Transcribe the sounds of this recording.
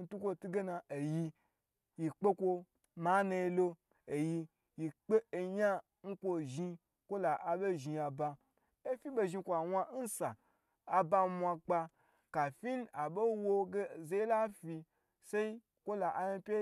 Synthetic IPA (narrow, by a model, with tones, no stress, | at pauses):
n̩˦tu˦kʷo˦tu˦ɡe˦na˧e˨ji˧ | ji˨k͡pe˦kʷo˧ | ma˨˦na˧je˧lo˦ | e˨ji˧ | ji˨k͡pe˦˨ɲa˦ | ŋ̩˦kʷo˧˨ʒi˧ | kʷo˦la˨ʔa˨be˦ʒi˨˧a˨ba˧ | e˦fi˦be˧ʒi˧kʷa˨wa˧˦n̩˦saː˨ | ba˧mʷa˧k͡pa˧ | ka˨fi˦n˦a˨bo˦wo˧ɡe˦˨ze˦la˦fi˧ | se˦i˦ | kʷo˦la˨ʔa˨ji˧pʲe˦